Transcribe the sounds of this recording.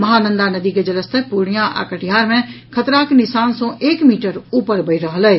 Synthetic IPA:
məɦanənd̪anəd̪iked͡ʒələst̪ʰəpuɽ̃ijãʔa̰kəʈijɦaɾmẽkʰət̪ɾaknisaːnsɔ̃ʔeːkmiʈəɾupəɾbəɪɾəɦəlɛː

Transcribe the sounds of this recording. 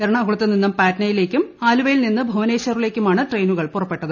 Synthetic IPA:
eɾɐɳɐɐɣuɭɐt̪ːeninːumpaːtnɐjile̞ːkʲːumaːluʋɐjilninːɨbʱɐʋɐne̞ːɕɐrile̞ːkʲːumaːɳɨʈre̞jnuɣɐɭpurɐpːe̞ʈːɐðɨ

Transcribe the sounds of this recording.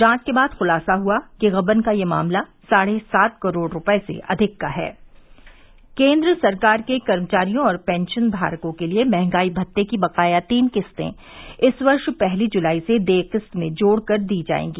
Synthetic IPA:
d͡ʒãːskebaːd̪xʊlaːsaɦuakeɣɐbənkajema̰ːmlasaːɽesaːt̪kɐɾoːɽɾʊpesḛʔɐd̪ʱɪkːaɦɛ̰ː | kẽːnd̪ɾəsɐɾkaːɾkekɐɾmət͡ʃaːɾijõɔːɾpɛ̃ːnʃənbʱa̰ːɾkõkeliemɛɦɛ̃ŋɡaːibʱɐt̪ːekibɐqaːjat̪iːnqɪst̪ḛ̃ | ɪsʋɐɾʃpɛɦlid͡ʒʊlaːised̪eːqɪst̪mẽd͡ʒoːɽkɐɾd̪iːd͡ʒa̰ːḛ̃ːŋɡiː

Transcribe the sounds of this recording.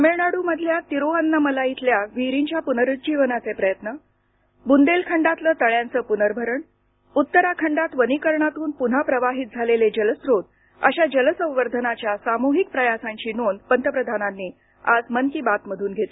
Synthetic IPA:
əmeɭɳaɽuːməd̪ʱljat̪iɾoənːəməlait̪ljaʋiɾiɲt͡ɕjapunəɾut̪̚d͡ʑiʋənat͡sepɾəjət̪nə | bund̪elkʰəɳɖat̪ləːt̪əɭjãnt͡səːpunəɾbʱəɾəɳ | ut̪ːəɾakʰəɳɖat̪ʋənikəɾɳat̪uːnpun̤apɾəʋaɦiːt̪̚d͡zʱaleled͡ʑələsɾot̪ | ə̰ɕad͡ʑələsə̃w̃ʋəɾd̪ʱənat͡ɕjasamuɦik̚pɾəjasaɲt͡ɕiːnonpənt̪əpɾəd̪ʱananːiː | a̰d͡zmənk̪iːbat̪məd̪ʱuːnɡʱet̪e

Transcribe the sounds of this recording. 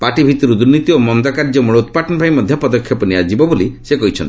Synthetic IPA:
paʈibʱit̪ɔɾud̪uɾnit̪iomɔnd̪ɔkaɾd͡ʒɔmuɭout̪paʈɔnɔbʱajmɔd̪ʱjɔpɔd̪ɔkʰːjɔpɔniad͡ʒibɔbolisekɔɦit͡ʃʰɔnt̪i̥

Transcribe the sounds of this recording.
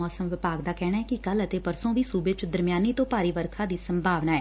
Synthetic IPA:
ɔːsəmʋɪpaːɡd̪aːkɛːɽaːɦɛːkɪkələt̪eːpəɾsõːʋiːsuːbet͡ʃd̪əɾmɪjaːniːt̪õːpaːɾiːʋəɾkʰaːd̪iːsəmbʱaːʋnaːɛː

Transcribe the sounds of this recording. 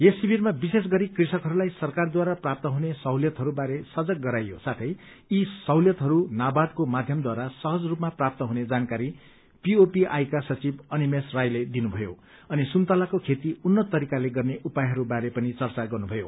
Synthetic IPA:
jesːibʱiɾmabises̬ɡʌɾikrisʌkɦʌɾulajsʌrkard̪waɾaprap̚t̪ʌɦunesʌwljʌt̪ɦʌɾubaɾesʌd͡zʌk̚ɡʌɾajosat̪ʰʌj | isʌwljʌt̪ɦʌɾunabad̪komad̪ʱjʌmd̪waɾasʌɦʌd͡zrupmaprap̚t̪ʌɦuned͡zankaɾi | piopiʔa̰jkasʌt͡sibʌnimesrajled̪inubʱʌjo | ʌnisunt̪alakokʰet̪iunːʌtt̪ːʌɾikaleɡʌrneʔupajɦʌɾubaɾepʌnit͡sʌrt͡saɡʌrnubʱʌjo̰

